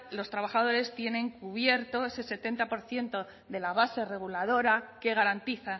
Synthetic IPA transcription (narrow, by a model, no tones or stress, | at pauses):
lo̞st̪ɾaβaχað̞o̞ɾe̞st̪je̞nẽ̞ŋkuβje̞ɾt̪o̞e̞se̞se̞t̪e̞nt̪apo̞ɾθje̞nt̪o̞ | ðe̞laβase̞re̞ɣ̞ulaðo̞ɾake̞ɣ̞aɾant̪iθa